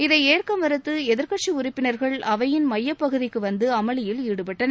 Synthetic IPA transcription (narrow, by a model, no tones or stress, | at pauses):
ɪðɐɪeːrkɐmʋɐɾɯt̪ːɯɛðɪɾkɐʈt͡ʃiʊrɪpːɪnɐɾɣɐɭɐʋɐjɪnmɐjːɐpːɐɣɯðɪkːɯʋɐnd̪ɯɐmɐɭɪjɪliːɽɯpɛʈːɐnɐ